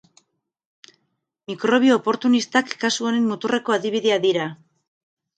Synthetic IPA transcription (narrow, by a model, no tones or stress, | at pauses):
mikɾo̞β̞io̞ːpo̞ɾt̪unist̪akːasuonenmut̪ure̞ko̞aðiβiðeaðiɾa